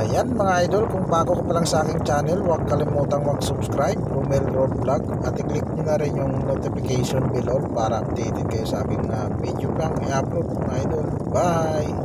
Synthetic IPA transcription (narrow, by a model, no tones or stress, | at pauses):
janpəŋajdɔlkuŋpakukəpalaŋsakɪŋt͡ʃanɛlwakːalimut̪aŋwaksubskɾajp̚rumɛlrɔd̚blak̚ | at̪iklik̚məŋaɾɛɲuŋnot̪ipikasiɔnbilɔlpaɾap̚t̪it̪ikasakɪŋa | pid͡ʒupjaŋ | aplɔt̪̚əŋajdɔl | baj